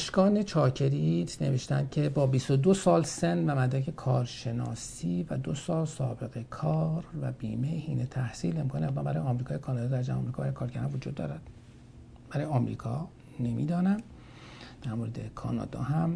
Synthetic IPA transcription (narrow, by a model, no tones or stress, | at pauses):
ʃkɒːne̞t͡ʃʰɒːcʰe̞ɾit̪ʰne̞veʃt̪ænd̪̥̚cʰe̞bɒːbist̪od̪osɒːlsenvæmæd̪ɾæcʰe̞kʰɒːɾʃe̞nɒ̰ːsiːvæd̪osɒːlsɒ̰ːbe̞ɣe̞kʰɒːɾvæbiːmejhiːnet̪ʰæhsiːle̞mkʰɑːniæmæmbæɾɒːjeɒmɾikɒːjekʰɒːnɒd̪ɒːd̪æɾd͡ʒæmɒ̰mɾikʰɒːbæɾːjekʰɒːɾɡæɾɑnvod͡ʒuːd̪ːɒ̰ːɾæd̪̥ | b̥æɾɒːjeɒːmɾḭːkʰɒː | nemḭːd̪ɒːnæm | d̪̥æɾmoːɾed̪ḛkʰɒ̰ːnɒ̰ːd̪ɒ̰ːɦæm